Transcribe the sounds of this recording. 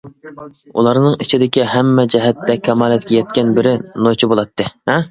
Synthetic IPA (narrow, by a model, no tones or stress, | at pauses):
ṵlˠɑɾnɨŋit͡ʃʰid̪ɪkʲiɦɛmːɛd͡ʒɛɦɛt̪ːɛkʲʰɛmɑːlɪt̪ɪkʲɛjɛt̪̚kʲɛnbɪɾɪnot͡ʃʰibolˠɑt̪ʰːɨhɛ